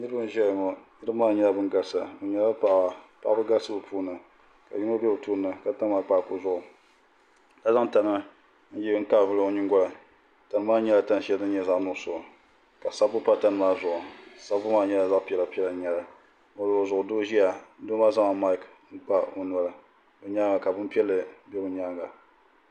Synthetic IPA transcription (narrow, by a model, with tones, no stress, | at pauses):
nɨ˦ɾɨ˦bɨ˦m˨ʒɛ˦˨ŋɔ˨nɨ˦ɾɨ˦maː˦ɲɛ˦la˦bɨ˦ŋɡa˦sa˨o˨ɲɛ˨la˦pa˨ʔa˨pa˦ʔbɨ˦ɡa˦sɨ˦bɨ˨pʰu˦nɨ˨ | ka̰˨ji˦no˦bɛ˦o˨tuː˦nɨ˨ka˨ta˦n˦ma˦k͡pa˦˨kʊ˦zʊ˦˨ʔʊ˨ | la˦za˦ŋ˦ta˨nɨ˦ | n̩˦ji˦ŋ̩˦ka˦˨vɨ˦lo˦ɲɪ˦ŋɡɔ˦la˨ | ta˨nɨ˦maː˦ɲɛ˦la˦ta˦n˨˦ʃɛ˦ldɨ˦ɲɛ˦za˦ʔnʊ˦˨sʊ˨ʔʊ˨ | ka˨sa˦bʊ˦pa˦ta˦nɨ˨maː˦zʊ˨ʔʊ˨sa˦bʊ˦maː˦ɲɛ˦la˨za˦ʔpi˦ɛ˨la˨pi˦ɛ˦lɨ˨˦ɲɛ˨la˨ | o˨lzʊ˨ʔʊ˨do˦ʒi˦a˨˦do˦ma˦za˦ma˨ma˦k | ŋ̩˦k͡pa˦o˨n˨a˨lɨ˨ | bɨ˨ɲa˦ŋa˨ka˨bɨ˦m˦pi˦ɛ˦lːɨ˨bɛ˦bɨ˨ɲa˦ɡa˨